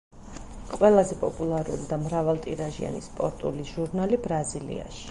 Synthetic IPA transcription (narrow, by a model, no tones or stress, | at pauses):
qʼwɛlˠazɛpʼɔpʼulˠaɾṵlid̪amɾavalˠt̪ʼiɾaʒia̰nispʼɔɾt̪ʼṵliʒuɾnalibɾazilḭa̰ʃi̥